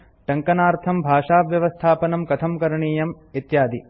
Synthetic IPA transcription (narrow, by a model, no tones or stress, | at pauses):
ʈɐŋkɐnaːɾt̪ʰɐmbʱaːʂaːʋjɐʋɐst̪ʰaːpɐnɐmkɐt̪ʰɐmkɐɾɐɳiːjɐm | it̪jaːd̪i